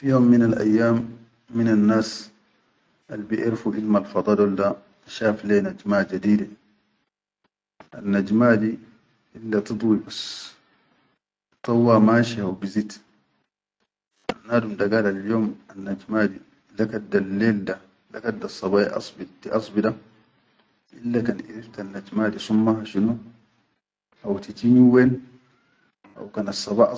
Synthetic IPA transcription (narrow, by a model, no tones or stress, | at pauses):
fijoːmːinalʔa̰jːaːmː | inanːaːs | ʔalbiʔiɾfuʔilmalfɑd̪ˤɑːd̪walda | aʃaːfleːnad͡ʒmaːd͡ʒad̪iːda | ʔanːad͡ʒmaːd̪i | ʔilːat̪ɨd̪ˤwibas | t̪ˤɑwːamaːʃihawbizit̪ | ʔa̰nːaːdumd̪aɡalaljoːmanːad͡ʒmaːd̪i | lakad̪alːeːlda | lakad̪ːasˤːɑβaːʔiʔɑ̰sˤbitiʔɑsˤbida | ʔilːakanʔiɾift̪anːad͡ʒmaːdisumːahaʃinu | ʔawt̪it̪iniwen | ʔa̰wkanasˤːɑbaʔ